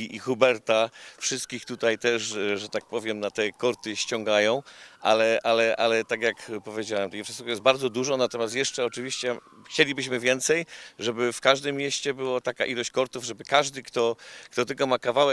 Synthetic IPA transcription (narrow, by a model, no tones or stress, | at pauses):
ixubɛɾt̪afʂɨst̪̚kʲixt̪ut̪ajt̪ɛʂʐɛt̪ak̚pɔvʲjɛmnat̪ɛkɔɾt̪ɘɕt͡ɕɔ̃ŋɡajɔ̃w̃ʔalɛʔalɛʔalɛt̪akjakpɔvʲjed͡ʑawɛmt̪ɛjfʂɛsɛkɔjɛsbaɾd̪zɔd̪uʐɔnat̪ɔmʲjast̪jɛʂt͡ʂɛɔt͡ʂɘvʲiɕt͡ɕɛ | xt͡ɕelʲibɘɕmɘvʲjɛnt̪sɛjʐɛbɘfkaʐd̪ɘmːjeɕt͡ɕɛbɘwat̪aka̰ʔilɔɕt͡ɕkɔɾt̪uvʐɛbɘkaʐd̪ɘkt̪ɔkt̪ɔt̪ɘlkɔmakavawɛk